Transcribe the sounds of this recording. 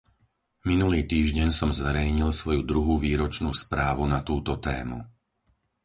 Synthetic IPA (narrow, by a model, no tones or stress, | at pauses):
minuliːt̪iːʒɟɛɲsɔmzʋɛɾɛjɲilsʋɔjud̪ɾuɦuːʋiːɾɔt͡ʃnṵːspɾaːʋunat̪uːt̪ɔt̪ɛ̰ːmṵ